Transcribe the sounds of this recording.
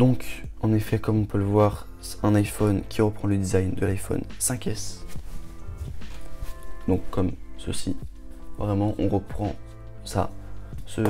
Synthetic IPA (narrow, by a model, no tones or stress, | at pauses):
d̪ɔ̃kɑ̃nefɛkɔmɔ̃pøləvwaʁ | ɛ̃najfɔnkʲʰiʁəpχɑ̃ləd̪izajnd̪əlajfɔ̰nsɛ̃kʲɛs | d̪ɔ̃kːɔmsə̰sḭvʁɛmɑ̃ʔɔ̃ʁəpχɑ̰̃ | sa̰sə